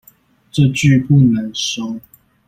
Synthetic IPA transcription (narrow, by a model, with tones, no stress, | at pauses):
ʈ͡ʂə˥˧t͡ɕy˥˨pu˥˨nə˨˦ŋʂo˦ʊ